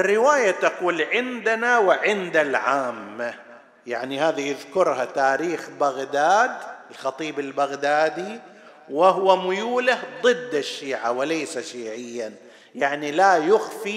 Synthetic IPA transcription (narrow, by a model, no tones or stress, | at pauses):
ʔʔrːɪwaːjat̪ɑquːlʕɪnd̪anawɪʕɪnd̪alʕaːmːa | jaʕnihaːðijɪðkʊɾˤhat̪aːɾiːxbaɣd̪aːd̪ɪlxɑt̪ˤiːbɪlbaɣd̪aːd̪i | wɪɦwamʊjuːlahd̪ˤɨd̪ːɪʃːiːʕawɪlejsaʃiːʕɪjːan | jaʕnilajʊxfi